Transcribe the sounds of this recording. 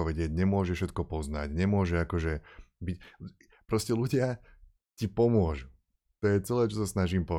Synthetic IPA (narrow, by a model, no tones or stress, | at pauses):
ɔʋɛɟɪɛɟɲɛmʊɔʒɛfʃɛt̪̚kɔpɔzna̰ɟɲɛmʊɔʒɛakɔʒɛbic | pɾɔscɛluɟɪa | cipɔmʊɔʒu | t̪ɔjɛt͡sɛlɛːt͡ʃɔsasnaʒiːmpɔ